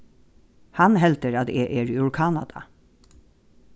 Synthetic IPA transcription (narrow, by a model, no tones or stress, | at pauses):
hɑnɦɛlt̪əɾɑt̪eːʔeːɹʊɹkʰɑnɑd̪ɑ̰